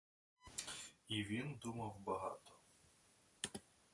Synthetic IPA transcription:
iʋʲind̪umɐwbɐɦɑ̰t̪ɔ̥

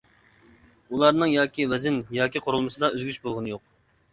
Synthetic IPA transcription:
ulˠɑɾnɨŋjɑːkʲiwɛzɪnjɑːkʲiqʰoɾulˠmɨsɨd̪ɑøzɡʲyt͡ʃbolˠʁənɨjoq̚

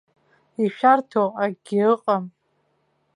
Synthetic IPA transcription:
iʃᶣartʰoʔaɡʲirɨqʼam

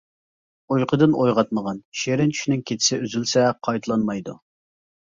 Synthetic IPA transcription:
ojqʰəd̪ɨnojʁɑt̪̚məʁɑnʃeɾɪnt͡ʃʰy̥ʃnɪŋkʲʰet̪ʰɪ̥sɪyzylsɛqʰɑjt̪ʰɨlˠɑnmɑjd̪ṵ

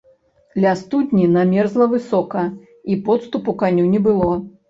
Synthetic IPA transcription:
lʲast̪ud̪ʲnʲinamʲɛrzlˠɐvɨsɔkɐ | ipɔt̪st̪upukanʲunʲɛbɨlˠɔ

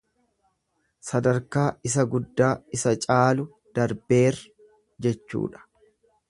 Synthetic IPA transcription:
sɐd̪ɐɾkaːɪs̬ɐɡʊd̪ːaːɪsɐt͡ʃʼaːlʊ | d̪̥ɐɾbe̞ːr | d͡ʒɛt͡ʃːṵːᶑɐ̥

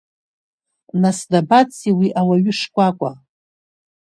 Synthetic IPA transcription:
nasdabat͡sʰʼiwiʔawaɥʏʂkʷʼakʷʼa

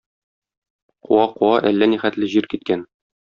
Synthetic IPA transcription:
qṵɑquɑʔælːæniχæt̪lɘʑiɾkit̪̚kæn

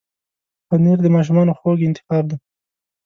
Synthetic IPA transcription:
pəneɾd̪əmɑʃ̬umɑnoxoɡɪnt̪ɪ̥xɑɾd̪a

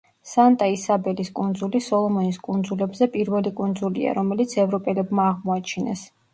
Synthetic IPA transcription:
sant̪ʼaisabɛliskʼund̪zulisɔlˠɔmɔniskʼund̪zulɛbzɛpʼiɾvɛlikʼund̪zulḭa̰ɾɔmɛlit̪sʰɛvɾɔpʼɛlɛbmaːʁmɔat͡ʃʰinɛ̰s

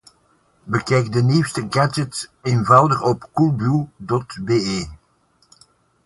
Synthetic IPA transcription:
bəkɛjk̚dəniwstəɡad͡ʒətseːnvɑwdəχɔpkulˠbylˠdɔtbeːeː

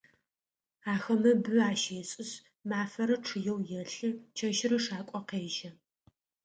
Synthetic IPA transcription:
aːxɐmɐbɨaːʃeːɕʼɪɕ | maːfɐɾɐʈ͡ʂʰɨjɛwjɛɬɨt͡ʃʰɐʃɪɾɐʂaːkʷʼɔqeːʒɐ

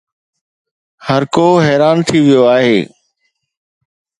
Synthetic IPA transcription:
həɾkoːɦɛːɾaːnt̪ʰiʋɪjoaːɦeː

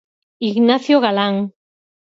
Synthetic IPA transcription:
iɣnaθjoɣalaŋ

